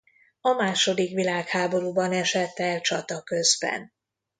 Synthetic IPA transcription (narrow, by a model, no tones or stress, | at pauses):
ɒmaːʃo̞d̪ikʋilaːkhaːbo̞ɾuːbɒnɛʃɛt̪ːɛlt͡ʃɒt̪ɒkø̞zbɛ̰n